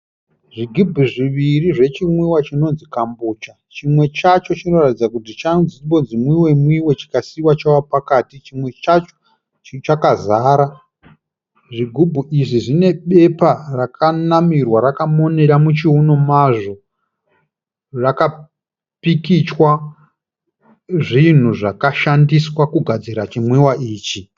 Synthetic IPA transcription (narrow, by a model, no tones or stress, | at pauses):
ʐiɡʱubʱuʐiʋiriʐe̞t͡ʃimwiwat͡ʃino̞nzikambuːt͡ʃa | t͡ʃimwe̞t͡ʃat͡ʃo̞t͡ʃino̞ratid͡zakutit͡ʃanzibo̞nzimwiwe̞mwiwe̞t͡ʃi̥kasiwat͡ʃawapakaːtit͡ʃimwe̞t͡ʃat͡ʃo̥ | t͡ʃt͡ʃakazaːɾa | ʐiɡʱubʱuʔiʐiʐine̞ɓe̞parakʰanamirwaɾakamo̞ne̞ɾamut͡ʃiuno̞maʐo̞ | raka | pikit͡ʃwa | ʐin̤uʐakaʃandiswakuɡʱad͡ziɾat͡ʃimwiwaʔiːt͡ʃi